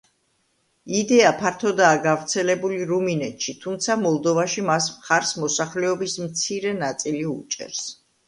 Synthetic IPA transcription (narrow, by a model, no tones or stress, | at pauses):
id̪ɛapʰaɾt̪ʰɔd̪aːɡavɾt̪sʰɛlɛbuliɾuminɛt̪ʃit̪ʰumt̪sʰamɔlˠd̪ɔvaʃimas̬mχaɾsmɔsaχlɛɔbismt̪sʰiɾɛnat̪sʼiliut͡ʃʼɛ̰ɾs